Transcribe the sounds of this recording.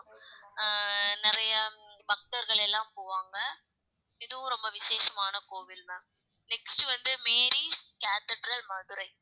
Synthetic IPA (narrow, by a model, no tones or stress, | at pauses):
nɪɾɐjɐbɐk̚ʈɐɾɣɐɭɛlːãːmpoːʋaːŋɡɐ | ɪðɯʋ̃ɾɔmbɐʋɪseːsɐmaːnɐkoːʋɪlʋɐ | nɛksʈɯʋɐnd̪ɯmeːɾiskaːt̪ɛɖɾɐlmɐðɯɾɐɪ